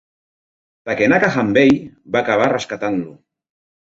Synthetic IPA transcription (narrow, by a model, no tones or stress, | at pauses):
takenakaxambejβaːkaβ̞areskat̪anlu